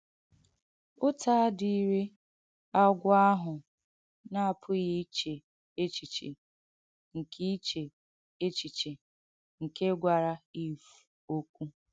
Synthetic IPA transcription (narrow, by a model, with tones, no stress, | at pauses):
ʊ˦tʰa˦di˨˦ɾe˦ | a˦ɡʷʊ˦a˦ɦʊ˨ | na˦a˦˨pʰʊ˦ɣi˦t͡ʃe˨ | e˦t͡ʃi˨t͡ʃḛ˨ | ŋ̩˨kʰi˦i˦t͡ʃe˨ | e˦t͡ʃi˨t͡ʃe˨ | ŋ̩˨ke˦ɡʷa˨ɾa˦i˦fu̥˨ | o˦kʷu˦